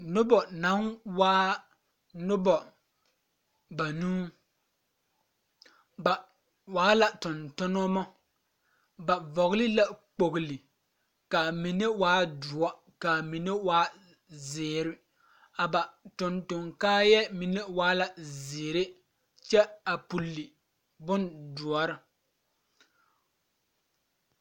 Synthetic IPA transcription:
nʊ˦bɔ˨na˨˦nwaː˦ | nʊ˦bɔ˨ | ba˨nũː˦ | ba˨ | waː˨˦la˨tʊ˨ntʊ˦nʊ˦mɔ˦ | ba˨vɔ˨ɣlɪ˦la˨k͡po˨ɣlɪ˨ | ka˨mi˨ne˦waː˦dʊ˨ɔ˦ | ka˨mi˨ne˦waː˦ | zɪː˨ɾɪ˦ | a˨ba˨tʊ˨ntʊ˨ŋkaː˦jɛ˦mi˨ne˦waː˦la˨zɪː˨ɾe˦ | t͡ʃɛ˦a˨pu˨lːi˨ | bʊ˦ndʊ˨ɔ˨˦ɾɪ˦

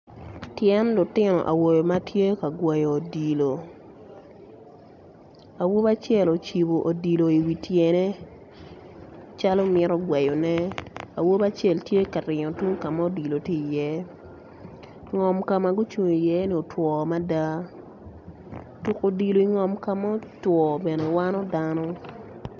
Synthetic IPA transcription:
tjɛ˦nlʊ˨tɪ˦nɔ̰˨ʔa̰˨wo˨jo˨ma˦tje˦ka˨ɡwɛ˨jo˨o˨di˨lo˨ | a˨wo˦ba˦t͡ʃjɛ˦˨lo˨t͡ʃi˨bo˨ʔo˨di˨lo˨i˨wi˨tje˨ne˦ | t͡ʃa˦lo˦mɪ˦ɾɔ˦ɡwɛ˨jo˨nɛ˦a̰˨wo˦ba˦t͡ʃe˦˨ltje˦ka˨ɾɪ˨ɲɔ˨tu˦ŋ˦ka˨ma˦o˦di˨lo˨ti˦i˨jɛ˦ | ŋɔ˨mka˨ma˨ɡʊ˦t͡ʃu˨ɲo˨i˨jɛ˦ni˨o˨twɔ˨ma˦da˦ | tu˨ko˨di˨lo˨i˨ŋɔ˨mka˨ma˦twɔ˨bɛ˨ne˨wa˦nɔ˦da˦nɔ˦

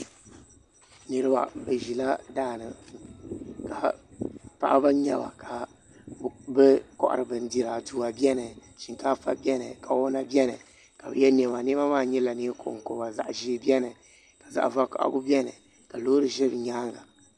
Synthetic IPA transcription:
nɨ˨ɾɨ˦ba̰˨bɨ˨ʒi˨la˦daː˦˨nɨ̰˨ka˨ | pa̰˨ʔa˦ba˦ɲɛ̰˦ba̰˨ka˨ | bɨ˦kɔ̰˦ʔɾɨ˨bɨ˨n̩˦di˨ɾa˨tu˨a˨bjɛ˦nɨ˨ʃi˨ŋka˦fa̰˦bʲɛ˦nɨ̰˨ka˨wo˦na˦bjɛ˦nɨ˨ | ka˨bɨ̰˨jɛ˦nɛ˨ba˨ni˦ba˦maː˦˨ɲɛ˦la˨ni˦ko˨ʔŋ˨ko˨ba˨za̰˨ʔʒi˨˦bɛ˦nɨ˨ | ka˨za̰˨ʔva˦kɔ̰˦˨ʔa̰˦ɡu˦bi˦ɛ˦nɨ̰˨ | ka˨lo˦ɾɨ˨ʒɛ˦bɲaː˦ŋa˨

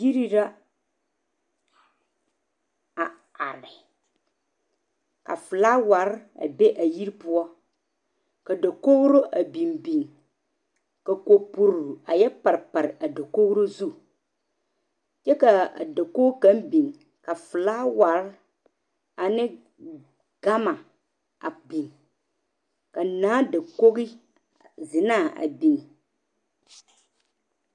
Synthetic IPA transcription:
ji˦ɾi˦ɾa˦ | a˨ | a̰˨ɾɪ˨ | ka̰˨fʊ˨laː˦wa˨˦ɾa̰˨be˦ʔa˨ji˦ɾpʊ˦ɔ˦ | ka˨da˨ko˦ɣɾo˦ʔa˨bi˨mbi˨ŋ | ka˨ko˨pu˨ɾɾu˨a˨jɛ˦pa˨ɾpa˨ɾɪ˨ʔa˨da˨ko˦ɣɾo˦zu˦ | t͡ʃɛ˦ka˨a̰˨da˨ko˦kã˦m˦bi˨ŋ | ka˨fɨ˨laː˦wa˨˦ɾ | a˨nɪ˦ | ɡ̥a˦ma˨ | a˨bi˨ŋ | ka˨naː˨˦da˨ko˦ɣi˦ | zɪ˨na˦˨a̰˨bi˨ŋ

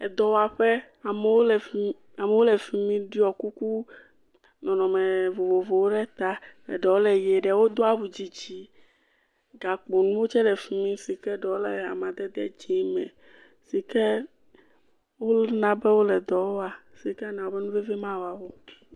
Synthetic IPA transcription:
ɛ˨d̪ɔ˨wa˨ɸɛ˦ | a˨mɛ˨wo˦lɛ˨ | a˨mɛ˨˦wo˦lɛ˨fi˨mĩ˦ɖi˦ɔ˨ku˦ku˦ | nɔ̃˨nɔ̃˨me˨vo˨vo˨vo˨wo˦ɖɛ˦t̪a˦ɛ̰˨ɖɔ˨wo˦lɛ˨je˨ɖɛ˨wo˦d̪o˦a˨bu˨d͡ʑi˨d͡ʑi˦ | ɡa˨k͡po˨nũ˦wo˦t͡ʃɛ˦ɖɛ˨fi˨mĩ˦si˨kɛ˦ɖɔ˨wo˦lɛ˨a̰˨mã˨d̪ɛ˦d̪ɛ̰˦˨d͡ʒi˦mɛ̰̃˨ | si˨kɛ˦ | wo˦nã˨bɛ˦wo˦lɛ˨d̪ɔ˨wo˦a˨si˨kɛ˦nã˨wo˦bɛ˦nũ˦vɛ˦vɛ˦mã˦wa˨wo˦

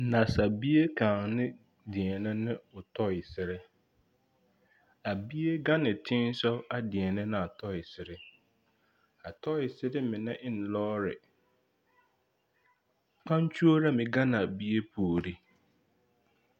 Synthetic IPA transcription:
nã˨sa˨bi˦e˦kʰãː˨ŋnɪ̃˦ | dɪ˨ɛ˨nɪ̃˦nɪ̃˦ʊ˨tʰɔ˦ɪ˨sɪ˦ɾɪ˦ | a˨bi˦e˦ɡa˦nɪ̃˨tʰɪ̃˦n˦sɔ˦a˨dɪ˨ɛ˨nɪ̃˦nɪ̃˨a˨tʰɔ˦ɪ˨sɪ˦ɾɪ˦ | a˨tʰɔ˦ɪ˨sɪ˦ɾɪ˦mɪ̃˨nã˦ʔɪ˦n̩˨lɔː˦ɾɪ̰˨ | k͡pʰã˦n˦t͡ɕʰu˦o˦ɾa˦mɪ̃˨ɡa˦nɪ̃˨a˨bi˦e˦pʰu˨o˨ɾi˦

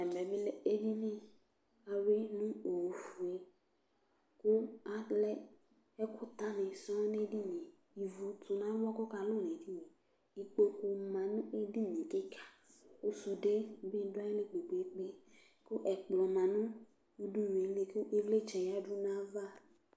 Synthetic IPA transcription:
ɛ˨mɛ˨be˦le˦e˦d͡ʒi˦nĩ˦ | a˨we˦nũ˦o˨fu˨e˨ | kʊ˦a˦lɛ˦ | ɛ˦kʰʊ˦t̪a˦nɛ̃˨sɔ̃˦ne˦di˦nĩ˨ | i˨vu˨t̪u˨nã˦wɔ˦kɔ˦ka˨lo˦˨nẽ˨di˦i˨ | i˨k͡po˦ku˦mã˨nũ˦ʔe˦di˦nĩ˨ke˦kʰḁ˨ | o˦su˨de˦bi˦dʊ˦a˦e˦lẽ˦k͡pe˨ɡ͡be˨e˦k͡pe˦ | kʊ˦ʔɛ˨k͡plɔ˨mã˨nũ˦ | u˦du˦˨e˨˦le˦ku˦ʔe˦vle˦t͡ʃɛ˨ja˦du˦nã˦va˦

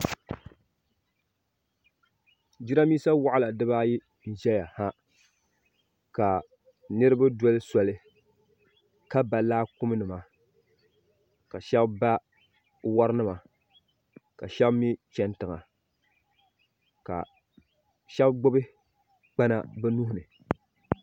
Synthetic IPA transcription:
d͡ʒi˦ɾa˦miː˦sa˦wa˦ʔa˦la˨dɨ˦ba˦ji˦ | n̩˨ʒɛ˦ja˨ha˦ | ka˨ | nɨ˦ɾɨ˦ba˦dɔ˦lɨ˦sɔ˨lɨ˦ | ka˦ba˨laː˦kʊ˦m˦nɨ˨ma˨ | ka˨ʃɛ˦bba˦ | wa˦ɾɨ˦nɨ˦ma˨ | ka˨ʃɛ˦bmi˦t͡ʃɛ˨ntɨ˨ŋa˨ | ka̰˨ | ʃɛ˦bɡ͡bʊ˦bɨ˦ | k͡pa˦na̰˦bɛ˦nu˦hʊ˦nɨ˨

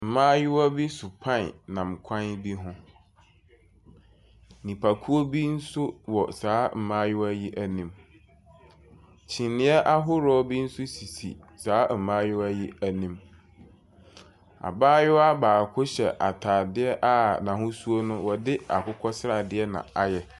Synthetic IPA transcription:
m̩˨mãː˦jɪ˦wa˦bi˦sʊ˨pʰã˦˨n˨nã˨m˨kʷʰã˦nbi˦ɦʊ̃˦ | nĩ˨pʰa˨kʰu˦o˦bi˦n̩˦sʊ˦wɔ˨saː˨˦m̩˨mãː˦jɪ˦wæ˦ji˦ʔæ˦nĩ˦m | t͡ɕʰĩ˨nɪ̃˦ɛ˦ʔa˦ɦʊ˦ɾɔ˦bi˦n̩˦sʊ˦si˨sḭ˨ | saː˨˦m̩˨mãː˦jʊ˦wæ˦ji˦æ˨nĩ˨m | a̰˨baː˦jʊ˦wa˦baː˨kʰʊ˦ɕɛ̰˨ʔa̰˨tʰaː˨dɪ˦ɛ˦ʔa˦nã˨ɦʊ̃˦su˦o˦nʊ̃˦wɔ˨dɪ˦a˨kʊ˦kʰɔ˦sɾa˨dɪ˦ɛ˦nã̰˨a˨jɛ˨

